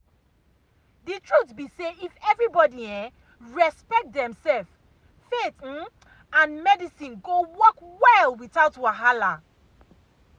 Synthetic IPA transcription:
ðɨtʰɹutbiseifɛvɹibɔdiɛ̃ | ɹɛspɛk̚t̚dɛ̃msɛlf | fet̩ | ãnmɛdisĩnɡowɔkwɛlwiθaʊtwaɦala

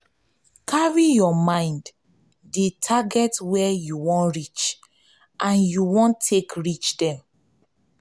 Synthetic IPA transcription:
kʰaɹijɔmãɪ̃nd | detʰaɡɛtwɛjuwɔ̃nɹit͡ʃ | ʔãnjuwɔ̃ntʰekɹit͡ʃdɛ̃m

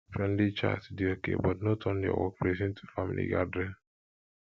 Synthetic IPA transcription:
fɾɛ̃nlit͡ʃa̰tdiokḛbɔtnotʰɔ̃n̩diɔ̰wɔ̰k̚pʰɾezĩn̩tʰu̥famḭlḭɡadɾɛ

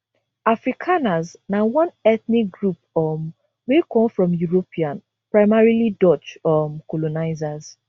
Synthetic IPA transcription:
afɹikʰanaznawɔ̃nɛθnik̚ɡɹupɔm | wekɔ̃mfɹɔ̃mjuɹopʰiãn | pɹaɪmaɹilidɔt͡ʃɔmkolonaɪzaz

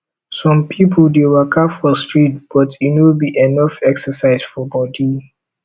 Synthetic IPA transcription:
sɔ̃mpʰipʰəldewəkʰafɔstɹit̚b̥ɔtinwɪbiʔɛnɔfɛksəsaɪz̥fɔbɔdi

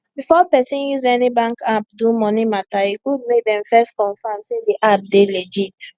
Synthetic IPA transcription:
bifɔpɛsĩnjuzɛnibãŋkap̚dumɔnimataiɡud̚mek̚dɛ̃mfɛstkɔ̃nfãmsediʔap̚deled͡ʒit

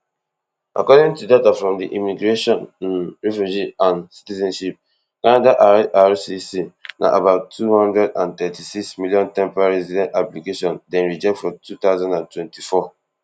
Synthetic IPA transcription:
ʔa̰kɔdɪ̃ŋtudatafɹɔ̃mdiʔimiɡɹeʃɔ̃nɹɛfjud͡ʒiãnsi̥tizɛ̃nʃip̚ | kanadaʔaɹsisinʔa̰ʔabaʊtʰːuhɔ̃ndɹɛdãnt̪ɛtisiksmiljɔ̃ntɛ̃mpaɹɛzidɛ̃ntaplikeʃɔ̃ndɛ̃nɹid͡ʒɛk̚tfɹɔ̃tʰut̪aʊzãndãntʰwɛ̃ntʰifɔ

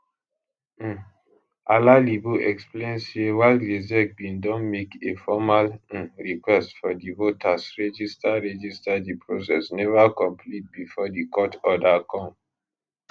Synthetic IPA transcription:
ʔalalibuʔɛksplẽnssewaɪldezɛk̚bĩndɔ̃nmekefɔmal̩̃ɹikwɛstfɔdivotʰasɹɛd͡ʒistaɹɛd͡ʒistadipʰɹosɛsnɛvakɔ̃mpʰlit̚bifɔdikɔtɔdakʰɔ̃m

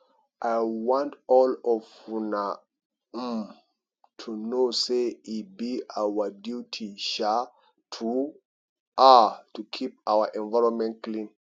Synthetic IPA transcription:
ʔajwɔ̃ntɔlɔvfuna | m | tʰunoseibiawədjutʰiʃa | tʰu | ʔatukʰip̚awəʔɛ̃nvaɪɹɔ̃nmɛ̃nt̚klĩn

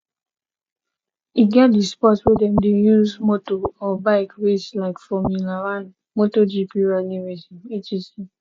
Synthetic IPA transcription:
iɡɛt̚dispɔtswedɛmdejuzmotoɔbaɪkweslaɪkfɔmilaɾan | motod͡ʒipiɹaniwesinet͡ʃisi

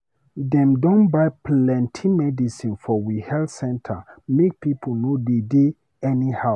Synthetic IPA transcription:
dɛ̃mdɔ̃nbaɪplɛ̃ntʰimɛdisĩnfɔwihɛlsɛ̃ntʰə̰mek̚pipʰonodede | ɛniha

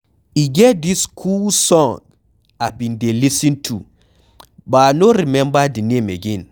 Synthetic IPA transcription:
iɡɛt̚d̪iskʰulsɔ̃ŋ | abĩndelisĩntʰu | banoɾimɛ̃mbadinẽmeɡɛ̃n

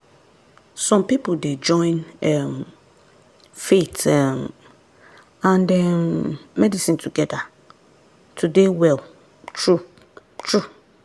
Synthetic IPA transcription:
sɔ̃mpipolded͡ʒɔ̃ɪ̃nɛm | fetɛm | ãndɛ̃nmɛdisĩntʰuɡɛda | tʰudewɛlˠ | tʰɹu | tʰɹu

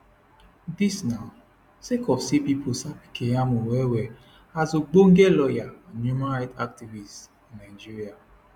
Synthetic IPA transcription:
disnaʊ | sekɔfsipipʰosapi̥kʰejamowewe | azoɡ͡boŋ̩ɡelɔjanumãɾaɪtak̚tivis | nad͡ʒiɾia

